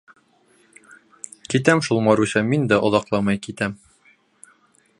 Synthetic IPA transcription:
kit̪æmʃulˠmɑɾuɕɑmind̪æʔŏðɑqlˠɑmɑjkit̪æm

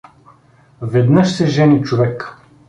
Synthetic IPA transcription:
vɛd̪nɤʃsɛʒɛnit͡ʃovɛk

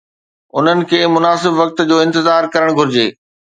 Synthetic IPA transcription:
ʊn̤ənɪ̆kʰeːmʊnaːsɪbʋɐk̚t̪d͡ʑoːɪ̃nt̪ɪzaːɾkɐɾəɽ̃ɡʱʊɾɪd͡ʑeː

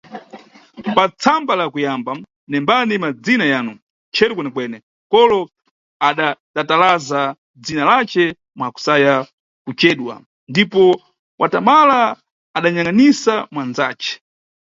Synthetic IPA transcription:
pat͡sʰambalakujamba | nɛmbanimad͡zinajaːnu | t͡ʃʰɛɾɛk̬wɛnɛkwɛnɛ | kɔlɔ | aɗatatalaza | d͡zinalat͡ʃɛ | mwaku̥saja | kut͡ʃɛːɗwa̰ | ndipɔ | wʔatamala | aɗaɲaŋanisamwand͡za̰ːt͡ʃɛ̥

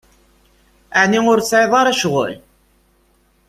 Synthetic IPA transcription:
əʕniŋʊɾt͡sːʕeðˤɑɾæʃʁʊ̰l

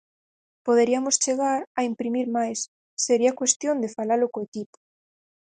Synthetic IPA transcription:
poðeɾiamost͡ʃeɣ̞aɾaimpɾimiɾmajsː | eɾiakwest̪jond̪efalalokoekipo̥

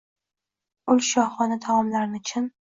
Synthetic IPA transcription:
ʊlʃɒhχɒnat̪ʰamɒmlaɾnɪt͡ʃʰɪn

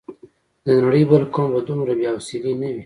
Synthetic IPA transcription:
d̪ənaɽəjbəlkombad̪umɾabjawsilinawi

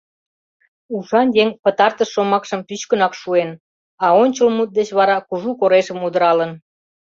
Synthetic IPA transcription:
uʃɑnjeŋpət̪ɑrt̪əʃːomɑkʃəmpyt͡ɕkənɑkʃuen | ɑonʲt͡ɕəlmut̪̚d̪et͡ɕβɑɾɑkuʒukoɾeʃəmud̪əɾɑlən

